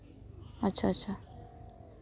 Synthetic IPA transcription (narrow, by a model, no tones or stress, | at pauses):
ɐtːɕʰatːt͡ʃʰa